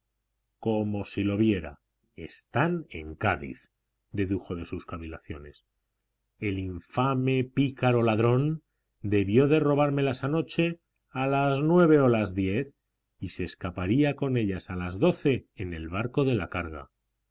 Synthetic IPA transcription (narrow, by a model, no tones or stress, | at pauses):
ko̞mo̞silo̞βje̞ɾa̰ | e̞̰st̪ane̞̰ŋkaðḭθ | d̪e̞ðuxo̞ð̞e̞suskaβila̰θjo̞̰ne̞s | e̞liɱfame̞pikaɾo̞laðɾo̞n | d̪e̞βjo̞ðe̞ro̞β̞aɾme̞lasano̞t͡ʃe̞ | alaznwe̞β̞e̞olazðje̞θ | ise̞skapaɾiako̞ne̞ʎasalazðo̞θe̞ːne̞lβaɾko̞ðe̞la̰kaɾɣ̞a̰